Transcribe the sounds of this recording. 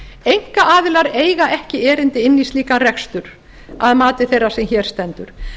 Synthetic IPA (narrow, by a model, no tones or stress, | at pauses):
ejŋ̥kaʔaːðɪlaɾeːjɣaʔɛhcɪɛːɾɪnt̪ɪɪnːisliːkarɛkst̪ʏɾ̥ | aðmaːt̪ɪθejrḁsɛmçɛːɾ̥st̪ɛnt̪ʏɾ̥